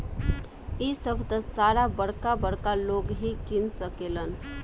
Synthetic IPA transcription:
isəbʱt̪əsaɾabəɽkabəɽkaloɡɦikinsəkelən

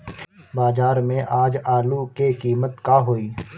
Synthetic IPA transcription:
baːd͡ʒaːɾmẽʔaːd͡ʒaːlukekiːmət̪kaɦoːiː

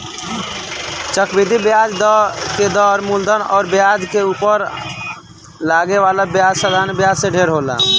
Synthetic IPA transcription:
t͡ʃəkbid̪ʱibjad͡ʒd̪ked̪ɔɾmuld̪ʱənɔ̰ːɾbjaːd͡ʒkeuːpəɾ | laːɡeʋalabjaːd͡ʒsad̪ʱanbjad͡ʒseɖʱeɾɦola̰ː

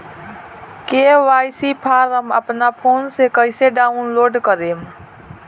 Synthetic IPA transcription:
keːʋaːjsipʰaːɾəmə̰pnapʰoːnsekəɪseɖaːunloːɖkəɾeːm

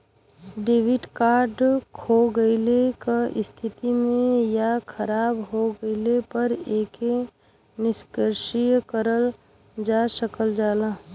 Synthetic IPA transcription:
ɖeːʋɪʈkaːɾɖkʰoɡəɪlekaʔɪst̪ʰɪt̪imẽjakʰəɾaːbɦoɡəɪlepəɾeːke | nɪskəɾʃijkəɾəl | d͡ʒaːsəkəld͡ʒaːlaː

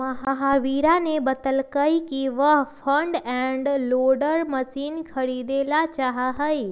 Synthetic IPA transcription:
əɦəɦaːʋiːɾanebət̪əlkəikiʋəɦpʰə̃ɳɖɛ̃ɳɖloːɖəɾməsiːnkʰəɽid̪eːlat͡ʃaːɦaɦəi

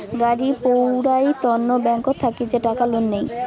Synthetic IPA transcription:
ɡaɽipowɾajt̪ɔnːobɛŋkot̪ʰakid͡ʑeʈakalonːej

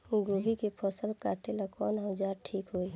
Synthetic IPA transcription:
ɡobʱikepʰɔsəlkaʈelakɔːnɦə̃d͡ʒaɾʈʰiːkɦoi

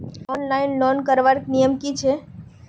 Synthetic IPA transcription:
ɔnlainlɔnkəɾʋaɾknijəmkit͡ʃʰe

